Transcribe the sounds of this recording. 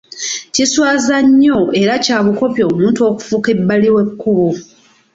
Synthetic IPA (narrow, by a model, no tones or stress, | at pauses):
ciswaːzaɲːoe̞ɾacaːβuko̞pjo̞ːmuːntuo̞ːku̥fuke̞bːaliwe̞kːuβu